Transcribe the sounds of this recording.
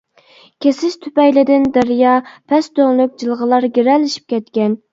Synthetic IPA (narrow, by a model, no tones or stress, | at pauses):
kʲʰesɪʃt̪ʰypɛjlɪd̪ɪnd̪æɾjɑpʰɛst̪øŋlˠyk̚ʲd͡ʒɨlˠʁəlˠɑɾɡʲeɾɛlːɪʃi̥p̚kʲʰɛt̪kʲɛn